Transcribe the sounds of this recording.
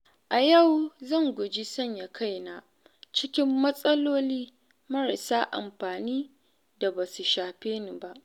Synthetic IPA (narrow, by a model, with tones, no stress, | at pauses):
ʔa˨jɐ˦˨wzɐ˦˨ŋɡʷʊ˨d͡ʒi˦sɐ˦˨ɲja˨kʰa˦˨jnaː˨ | t͡ʃɪ˦kʲɪ˦mːɐ˦sʼɐ˦loː˦liː˦ | mɐ˦ɾa˨saː˦ʔa̰˨mɸaː˨niː˦ | da˨ba˨su˨ʃaː˨ɸeː˦ni˨ba˦ʔ